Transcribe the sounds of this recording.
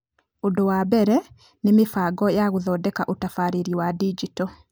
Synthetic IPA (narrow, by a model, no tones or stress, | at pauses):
odɔwabɛɾɛ | nemefaɡɔjaɣoðɔdɛkaʔotafaɾeɾiwadid͡ʒitɔ